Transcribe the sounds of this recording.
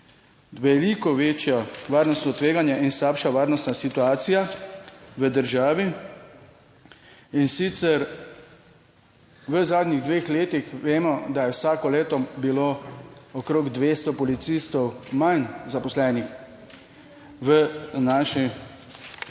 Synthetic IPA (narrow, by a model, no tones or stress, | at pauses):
ʋɛlikɔʋeːt͡ʃjɔʋaːɾnɔst̪nɔt̪ʋeːɡanjɛʔinslaːpʃaʋaːɾnɔst̪nasit̪uaːt̪sija | ʋəd̪əɾʒaːʋi | insit̪sɛɾ | ʋəzaːd̪niɣd̪ʋeːxleːt̪ixʋeːmɔd̪ajɛwsaːkɔleːt̪ɔbiloɔkɾoːɡd̪ʋeːst̪ɔpɔlit̪sist̪ɔwmajnzapɔslɛːnix | ʋənaːʃi